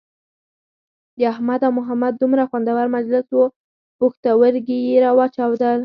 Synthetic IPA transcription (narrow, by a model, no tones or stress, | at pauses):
d̪əahmad̪awmʊɦamad̪̚ːumɾaxwand̪awaɾmad͡ʒlɪswo | pʊxt̪awəɾɡijeɾɑwɑt͡ʃawd̪əl